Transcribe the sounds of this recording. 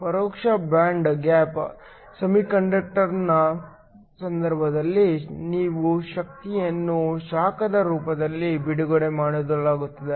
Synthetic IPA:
pɐɾoːkʂɐbɾaːɳɖɡaːp | sɐmikɐɳɖɐk̚ʈɐɾnɐ | sɐnd̪ɐɾbʱɐd̪ɐlːiniːʋuʃɐk̚t̪ijɐnːuʃaːkɐd̪ɐɾuːpɐd̪ɐlːibiɽuɡoɽemaːɽod̪ɐlaːɡut̪ːɐd̪e

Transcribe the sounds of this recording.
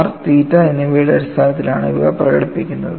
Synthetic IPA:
rt̪iːtːɐenːeʋiːɽeɐɽist̪ʰaːnɐt̪ːilaːɳɨḭʋɐɣɐprɐɣɐ̰ɽipːikʲːunːɐðɨ

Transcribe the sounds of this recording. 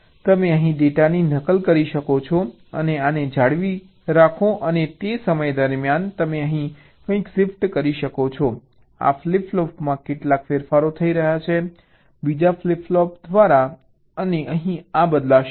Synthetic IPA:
t̪əmeəɦĩɖeʈaninəkəlkəɾiʃəkot͡ʃʰɔ | ə̰neaned͡ʒʱaɽʋi | ɾakʰoʔənet̪esəməjd̪əɾmjant̪əmeəɦĩ | kə̃ĩksɪfʈkəɾiʃəkot͡ʃʰɔ | a̰fliplɔpmãkeʈlakfeɾfaɾot̪ʰəiɾəɦjat͡ʃʰe | bid͡ʒafliplɔpd̪ʋaɾa | əneəɦĩabəd̪la

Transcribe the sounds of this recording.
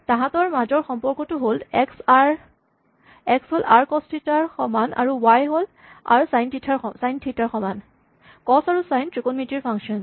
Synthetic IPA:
tãɦãtɔɹmad͡ʒɔɹxɔmpɔɹkɔtʊɦolɛksɹ | ɛksɦolaɹkɔstʰitaɹxɔmana̰ɹuwajɦol | a̰ɹusajntʰitʰaɹɔsajntʰitaɹxɔman | kɔsaɹusajntɹikonmitiɹpʰaŋsʃiɔn

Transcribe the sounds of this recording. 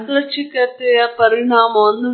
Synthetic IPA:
lɐt͡ʃːikɐt̪ːejɐpɐɾiɳaːmɐɐnːu

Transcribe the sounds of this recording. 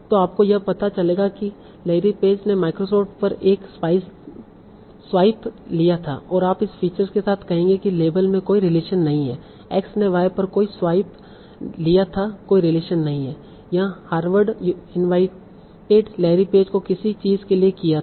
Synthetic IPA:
t̪oaːp̚kojɐpɐt̪at͡ʃɐleːɡaki | leːɾipeːd͡ʒnemaːɪkɾosɔːʈpɐɾeːkspaːɪs | swaːɪplijat̪ʰa̰ɔːɾaːpɪsfiːt͡ʃəɾzkesaːt̪ʰkɐɦẽːŋɡekileːbəlmẽkoːiɾɪleːʃənːɐɦĩɦɛ̰ː | ɛːksneʋaːepɐɾkoːiswaːɪp | lijat̪ʰakoːiɾɪleːʃənːɐɦĩɦɛː | jɐɦãhaːɾʋəɾɖɪnʋaːɪ | ʈeːɖleːɾipeːd͡ʒkokɪsit͡ʃiːzkeliekijat̪ː

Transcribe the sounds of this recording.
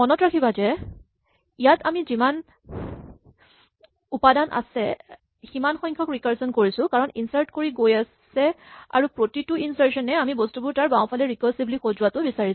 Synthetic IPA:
ɔnɔtɹakʰibazɛ | ijatʰamiziman | upadanʔa̰sɛ | ximanxɔjŋkʰɔkɹikaɹsɔnkoɹisʊ̃kaɹɔninsaɹtkoɹiɡojasɛa̰ɹupɹotitʊinsaɹsɔnɛamibostubʊɹtaɹbãw̃pʰalɛɹikɔsiblixozʊwatʊbisaɹis

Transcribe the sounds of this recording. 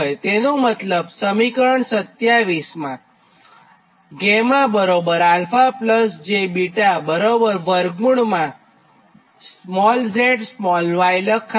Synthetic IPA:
jt̪enomət̪ləbsəmikəɾəɳsət̪jaʋismã | ɡemãbəɾobəɾalfapləsd͡ʒebiʈabəɾobəɾʋəɾɡuɳmã | smɔld͡ʒeʈsmɔlnʋajləkʰː

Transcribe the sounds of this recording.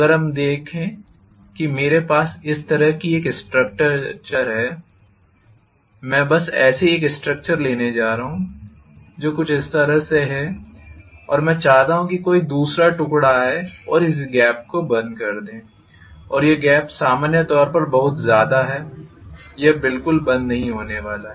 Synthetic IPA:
ɐɡəɾɦɐmd̪eːkʰẽː | kimeːɾepaːsɪst̪ɐɾəɦkieːksʈɾək̚t͡ʃəɾt͡ʃəɾɦɛː | mɛ̃ːbɐsɛːseeːksʈɾək̚t͡ʃəɾleːned͡ʒaːɾaɦũ | d͡ʒoːkʊt͡ʃʰɪst̪ɐɾəɦseɦɛ | ɔ̰ːɾmɛ̃ːt͡ʃaːɦt̪aːɦũkikoːid̪uːsɾaʈʊkɽaɦɛɛɔːɾɪs̬ɡɛːp̚kobɐ̃nd̪kɐɾd̪ẽː | ɔːɾjeɡɛːpsaːmaːnjət̪ɔːɾpɐɾbɐɦʊt̪zjaːd̪aɦɛː | jebɪlkʊlbɐ̃nd̪nɐɦĩɦoːneʋaːlaɦɛ

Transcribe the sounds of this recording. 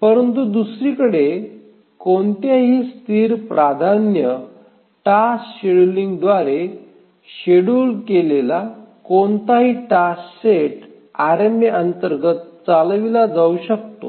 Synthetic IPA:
pəɾənt̪ud̪usɾikəɽe | koɳt̪jaɦiːst̪ʰiːɾpɾʔad̪ʱanjə | ʈasɕeɽuliŋɡd̪ʋaɾe | ɕeɽuːlkelelakont̪aɦiːʈasɕeʈ | aɾemeʔənt̪əɾɡət̪̚t͡salʋilad͡zauɕək̚t̪o̰

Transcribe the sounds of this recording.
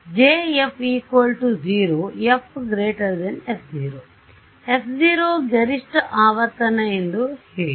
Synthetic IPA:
d͡ʒeːepʰiːkʋɐlʈud͡ʒiːɾoːjepʰɡɾeːʈɐɾd̪ɐnepd͡ʒiːɾoː | epʰd͡ʒiːɾoːɡɐɾiʂʈɐʔaːʋɐɾt̪ɐnɐend̪uheː

